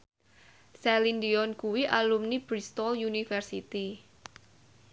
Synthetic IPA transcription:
sɛlind̪iɔnkuwiʔalumnib̥ɾist̪ɔljunifɛrsit̪i

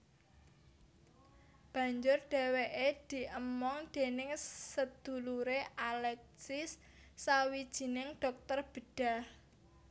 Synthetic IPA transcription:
b̥ä̤ɲd͡ʒʊrɖ̥e̤weʔed̪̥i̤ʔəmɔŋd̪̥e̤nɪŋsəd̪̥ṳluɾeʔalɛk̚sɪsː | awid̥ʒ̥i̤nɪŋɖ̥ɔ̤k̚t̪ərb̥ə̤ɖ̥a̤h

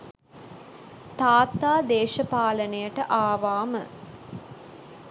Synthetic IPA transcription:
t̪aːt̪ːaːd̪eːʃəpaːlənəjəʈəʔaːʋaːmə

